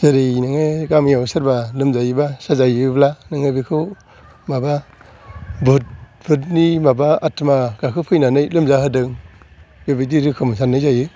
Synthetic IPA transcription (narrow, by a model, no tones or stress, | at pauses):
zaɾinɯŋeɡamjawsɯɾbalɯmzajɯbasazajɯblanɯŋɯbikʰɯ | maba | bɯt̚ | bʰɯtnimabaatʰmaɡ̥akʰɯpʰɯjnanɯjlɯmzaɦɯdɯŋ | bebidiɾɯkʰɯmsanːɯjzajɯ